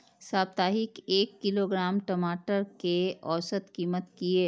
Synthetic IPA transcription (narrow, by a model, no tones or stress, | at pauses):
saːbt̪aːɦɪkeːkːɪloɡɾaːmʈɐmaːʈəɾkeɔːsət̪kiːmət̪kieː